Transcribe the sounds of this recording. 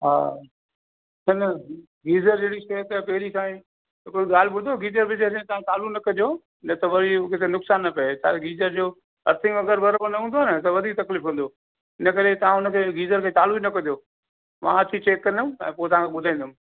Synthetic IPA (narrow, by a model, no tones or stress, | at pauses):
ɦa̰ː | sʰɐnə | ɡiːzəɾd͡ʑeːɽiʃet̪ɐpɐɦɪɾit̪aːĩ | ɦɪkɾoɡaːlbʊd̪ʱoɡiːzəɾbɪd͡ʑesẽt̪ɐʋ̤ãt̪aːlunɐkɐd̪jo | nɐt̪ɐʋɐɾikɪt̪ʰenʊksaːnːɐpɐet̪ʰa̰ɡiːzəɾd͡ʑoː | ɐɾt̪ʰɪ̃ŋɡɐɡəɾbɐɾbənɐɦũnd̪onət̪ɐʋɐd̪ʱiːk̚t̪ɐkliːfũːnd̪o | ɪnəkɐɾet̪ɐʋ̤ãɦʊnə̆kʰeːɡiːzəɾkʰeːt̪aːluinɐkɐ̃ijoː | mã̰ɐt͡ɕ̪ʰit͡ɕeːkːɐ̃nd̪ʊmɛ̃ːpoːt̪ɐʋɦãŋkʰeɓʊd̪ʱãĩːnd̪ʊm